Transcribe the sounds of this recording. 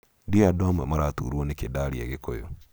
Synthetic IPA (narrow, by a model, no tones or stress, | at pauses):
dioadɔmɛmaɾatṵːɾwɔnekedaɾiḛɣekojo